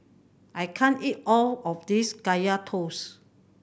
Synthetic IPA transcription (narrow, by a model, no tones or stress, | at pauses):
ʔajkʰãnitɔlɔfdisɡajatʰos